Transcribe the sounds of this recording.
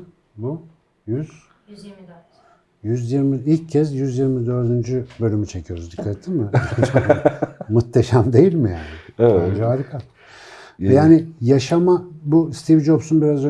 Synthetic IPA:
bu | jyz | jyzjiɾmiilʲcʰːɛsjyzjiɾmid̪ø̞ɾd̪ynd͡ʒybø̞lʲymyt͡ʃʰe̞cʰijo̞ɾuzd̪ikʰːat̪ʰːimɪt͡ʃʰa | mut̪ʰːeʃamd̪e̞jilʲmija̰ːnɪand͡ʒeɦaːɾikʰa | ɛjaːnɪjaʃamabust̪ʰivd͡ʒo̞bsunbiɾazø

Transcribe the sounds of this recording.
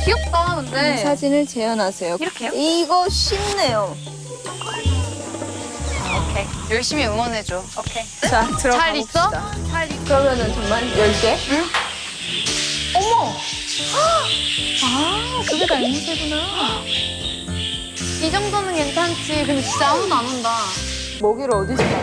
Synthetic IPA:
kiʌk̚t͈aunessʰad͡ʑinɯɭt͡ɕe̞jʌnasʰe̞joiɾʌkʰejoiɡʌɕʰimnejo | okʰejʌɭɕ͈imiɯmʌnɦed͡ʑookʰe | t͡ɕatɯɾʌaɾis͈ʰʌdaaikɯɾʌmjʌnɯnt͡ɕʌŋmaɭjʌɭt͈e̞ɯ | ʌmʌ | akɯɡedanniteɡuna | id͡ʑʌŋdʌnɯnentʰant͡ɕʰikɯnet͡ɕit͡ɕ͈aonanɯnda | moɡiɾɯʌdisi

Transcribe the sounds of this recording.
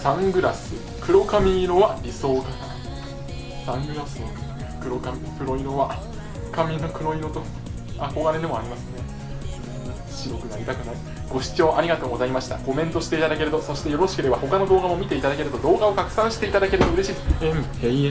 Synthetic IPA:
sãŋɡɯ̟ɾasɨ | kɯ̟ɾo̞kamʲino̞βaɾʲiso̞ːkat̪a | sãŋɡɯ̟ɾasɨo | kɯ̟ɾo̞kamʲikɯ̟ɾo̞ino̞βa | kamʲinokɯ̟ɾo̞ino̞t̪o | akoɡaɾed̪e̞mo̞aɾʲimasɨnẽ̞ | ɕiɾo̞kɯ̟naɾʲit̪akɯ̟nai | ɡ̥o̞ɕi̥t͡ɕo̞ːʔaɾʲiɡat̪o̞ːɡo̞zaimaɕi̥t̪a̰ko̞mẽ̞nt̪o̞ɕi̥t̪e̞it̪ad̪ake̞ɾɯ̟t̪o̞so̞ɕi̥t̪ejo̞ɾo̞ɕi̥kɯ̟d̪e̞βaho̞kano̞d̪o̞ːɡamo̞mʲit̪e̞it̪ad̪ake̞ɾɯ̟t̪o̞d̪o̞ːɡao̞kakɯ̟̥sãɕi̥t̪eit̪ad̪ake̞ɾɯt̪o̞ɯ̟ɾe̞ɕiːd̪ee | e

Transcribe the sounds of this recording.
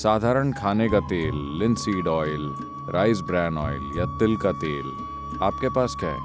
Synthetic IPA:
saːd̪ʱaːɾəɳkʰaːnekat̪eːlːɪ̃nsiːɖɔːɪl | ɾʔaːɪzbɾɛ̃ːnɔ̰ːɪljat̪ɪlkat̪eːl | aːp̚kepaːskɛːɦ

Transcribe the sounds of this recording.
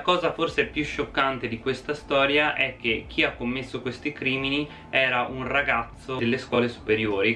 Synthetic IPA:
lakɔːzaforsepjuʃːokːant̪ed̪ikwest̪ast̪ɔːɾjaʔɛk̟ːek̟ʰːiakːomːesːokwest̪ikɾiːmini | ɛːɾaʔunraɡat̪sːoelːeskwɔːlesu̥peɾjoːɾi

